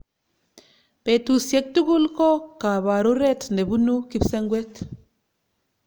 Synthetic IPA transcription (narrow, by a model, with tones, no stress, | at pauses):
pe˨tu˨sje˦k̚tu˦ɡu˦lko˦ka˨βa˨ɾu˦ɾe˦tnde˨bu˦nu˦ki˦pse˦ŋɡwe˦t